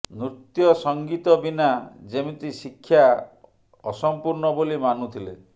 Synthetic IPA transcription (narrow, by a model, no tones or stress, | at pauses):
nɾut̪jɔsɔŋɡit̪ɔbinad͡ʒemit̪isikʰːja | ɔsɔmpuɾnɔbolimanut̪ʰile